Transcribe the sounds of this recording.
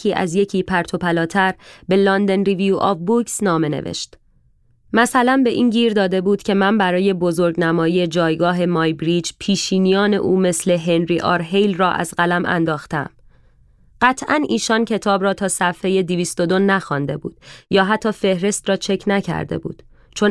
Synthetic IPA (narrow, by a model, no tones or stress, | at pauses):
iːʔæ̰zje̞cʰiːpʰæɾt̪ʰo̞pʰælɒːt̪ʰæɾbe̞lɒnd̪e̞nɾiviuʔɒ̰vbuksnɒːme̞nḛvḛʃt̪ | mæsælænbe̞ʔiːnɟiːɾd̪ɒːd̪e̞buːd̪̥cʰe̞mæmbæɾɒːje̞bo̞zo̞ɾɟnæmɒːije̞d͡ʒɒːjɡɒːɦe̞mɒːjbɾiːd͡ʒpʰiːʃiːnijɒːne̞̰ʔuːme̞sle̞ɦenɾiʔɒ̰ːɾɦejlrɒːʔæ̰zɢælæmʔæ̰nd̪ɒːxt̪ḛm | ɢ̥æt̪ʰʔæniːʃɒːncʰe̞t̪ʰɒːbɾɒːt̪ʰɒːsæfhe̞je̞d̪iviːst̪o̞d̪o̞næxɒnd̪e̞̰bṵːd̪̥jɒːɦæt̪ʰːɒːfe̞hɾe̞st̪rɒːt͡ʃʰe̞cʰnæcʰæ̰ɾd̪e̞̰bṵːd̪̥ | t͡ʃʰo̞n